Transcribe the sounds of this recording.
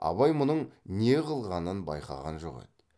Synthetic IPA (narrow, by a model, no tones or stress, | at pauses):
ɑ̰βɑjmʊnəɴneqʰəlˠʁɑnənbɑjqɑ̰ʁɑ̰nʒo̰ʁḛt̪